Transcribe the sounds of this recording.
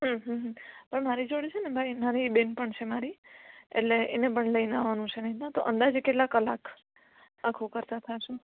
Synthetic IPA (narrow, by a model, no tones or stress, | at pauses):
ɦəɦəɦpəɳmaɾid͡ʒoɽit͡ʃʰenebʱajmaɾibenpəɳt͡ʃʰemaɾiḛʈleenep̬əɳləinaʋanũt͡ʃʰenəɦinãt̪oʔənd̪ad͡ʒkeʈlakːəlak | akʰũkəɾt̪at̪ʰaʃu